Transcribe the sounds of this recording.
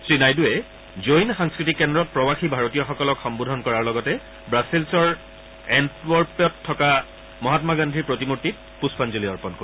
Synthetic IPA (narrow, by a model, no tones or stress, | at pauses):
sɹinajduɛ | zojnxaŋskɹitikːɛndɹɔt̚pɹɔwaxibʱaɹotijɔxɔkɔlɔkxɔmbudʱɔnkɔɹaɹlɔɡɔtɛ | bɹasilsɔɹ | ɛntwɔɹpɔtʰːɔka | mɔɦatmaɡandʱiɹpɹotimutːit̚ | puspʰanzoliɔɹpɔnko